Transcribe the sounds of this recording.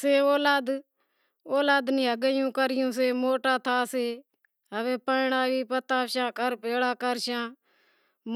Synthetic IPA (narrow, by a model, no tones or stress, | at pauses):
seːoːlaːd̪ | oːlaːd̪nĩːɦəɡəjũːkəɾɪjũːseːmoːʈaːt̪ʰaːseː | ɦəʋeːpəɳaːʋiːpət̪aːʃãːkəɾpeːɽaːkəɾʃãː | m